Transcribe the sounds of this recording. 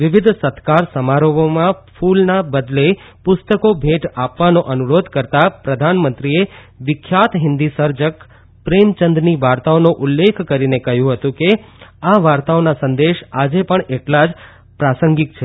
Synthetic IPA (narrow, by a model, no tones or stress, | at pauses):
ʋɪʋɪd̪ʱsət̪kaɾsəmaɾoʋomãpʰulnabəd̪le | pʊst̪əkobʱeʈapʋanoʔənuɾod̪ʱkəɾt̪apɾəd̪ʱanmə̃nt̪ɾie | ʋɪkʰːjat̪ɦɪnd̪isəɾd͡ʒək | pɾemt͡ʃənd̪niʋaɾt̪aonõʔʊlːekʰkəɾinekəɦjũɦət̪ũkeaʋaɾt̪aonasə̃nd̪eʃad͡ʒepəɳʔeʈlad͡ʒ | pɾasəŋɡikt͡ʃʰe